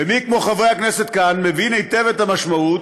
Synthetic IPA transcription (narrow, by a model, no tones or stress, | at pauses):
emikmo̞χavʁejaknese̞t̪̚kanmevinejt̪evet̪hamaʃmaut̪̚